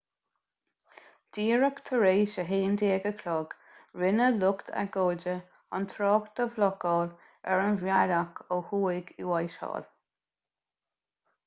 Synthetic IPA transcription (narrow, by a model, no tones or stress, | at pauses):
d̪̥iːɹəkt̪ʰəɹeːʃəɦeːnd̪eːɡəkʰlɔːɡ | ɹɪnəlʊkt̪ʰa̰ɡoːd͡ʒə | a̰nt̪ʰɾɔːkt̪əvlɔkɔːl | ɛ̰ɹənvjalakʰohuːɪɡiwajʃɔ̰ːl